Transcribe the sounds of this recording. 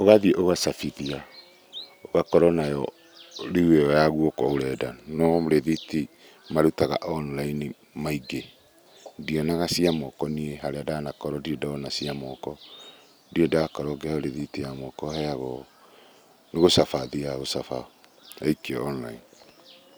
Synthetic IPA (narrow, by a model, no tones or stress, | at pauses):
oɣaðieʔoɣasafiðia | oɣakɔɾɔnajɔ | ɾiweɔjaɣwokɔoɾɛdanɔmoɾeðiti | maɾutaɣa̰ʔɔnlaini | maiɡe | diɔnaɣasiamɔkɔnieɦaɾeadanakɔɾɔdiedaɔnasiamɔkɔ | diedaːkɔɾɔɡɛaoɾeðitijamɔkɔhɛaɣɔ | neɣosafaðiaɣosafa | aikɛɔnlaini